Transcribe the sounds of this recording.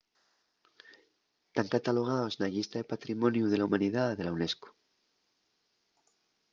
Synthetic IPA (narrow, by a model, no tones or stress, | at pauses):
t̪aŋkat̪alo̞ɣ̞ao̞snaʎist̪aðepat̪ɾimõ̞njuðe̞laumãniðaðe̞lawne̞sku̥